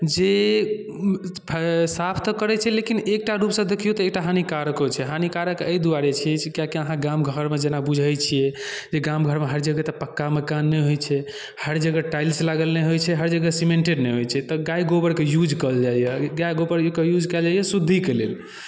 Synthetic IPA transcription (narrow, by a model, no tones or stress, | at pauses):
d͡ʒe | pʰsapʰt̪ɔkəɾɛt͡ʃʰɛlekinek̚ʈaɾupsə̃d̪ekʰijot̪ɔek̚ʈaɦanikaɾəkɦot͡ʃʰɛɦanikaɾəkəjd̪uaɾet͡ʃʰɛt͡ʃkakiəɦãɡãmɡʱəɾmed͡ʒenabud͡ʒʱəjt͡ʃʰijɛd͡ʒeɡãmɡʱəɾmeɦəɾd͡ʒəɡət̪ɔpəkːaməkanːɛɦojt͡ʃʰɛ | həɾd͡ʒəɡəʈajlslaɡəlnɛɦojt͡ʃʰɛɦəɾd͡ʒəɡəsimẽɳʈeɖnɛɦojt͡ʃʰɛt̪ɔɡajɡobəɾkejud͡ʒʱkəld͡ʒajɛɡajɡobəɾkejud͡ʒkɛld͡ʒajɛsud̪ʱːikelḛl